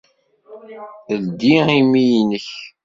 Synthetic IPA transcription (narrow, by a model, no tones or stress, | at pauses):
əld̪iimijnəç